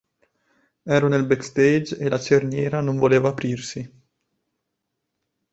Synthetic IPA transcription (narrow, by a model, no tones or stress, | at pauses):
ɛːɾonelbɛkst̪ed͡ʒelat͡ʃernjɛːɾanoɱvoleːvaːpɾirsi